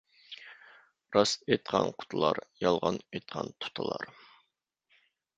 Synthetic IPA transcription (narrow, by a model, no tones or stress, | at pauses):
ɾɑset̪̚qʰɑnqʰʊ̥t̪ʰɨlˠɑɾjɑlˠʁɑnet̪̚qʰɑnt̪ʰu̥t̪ʰəlˠɑ̰ɾ